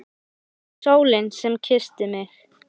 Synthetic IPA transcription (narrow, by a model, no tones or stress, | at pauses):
soːwlɪnsɛmcʰɪst̪ɪmɪx